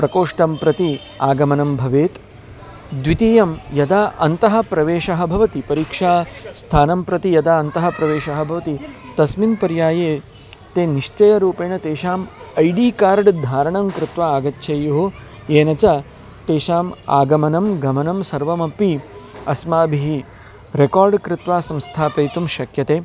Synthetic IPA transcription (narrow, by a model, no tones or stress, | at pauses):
pɾɐkoːʂʈɐmpɾɐt̪i | aːɡɐmɐnɐmbʱɐʋeːt̪ | d̪ʋit̪ijɐmjɐd̪aːʔɐnt̪ɐɦɐ̆pɾɐʋeːʂɐɦɐ̆bʱɐʋɐt̪ipɐɾiːkʂaːst̪ʰaːnɐmpɾɐt̪ijɐd̪aːɐnt̪ɐɦɐ̆pɾɐʋeːʃɐɦɐ̆bʱɐʋɐt̪it̪ɐsminpɐɾjaːjeː | t̪eːniʂt͡ʃɐjɐɾuːpeːɳɐt̪eːʃaːmɐjɖiːkaːɾɖd̪ʱaːɾɐɳɐmkɾɪt̪ʋaːaːɡɐt̪ːʃʰɐjoɦo | eːnɐt͡ʃɐ | t̪eːʃaːma̰ːɡɐmɐnɐmɡɐmɐnɐmsɐɾʋɐmɐpiɐsmaːbʱiɦi | ɾekaːɾɖkɾɪt̪ʋaːsɐmst̪ʰaːpɐjt̪umʃɐkjɐt̪eː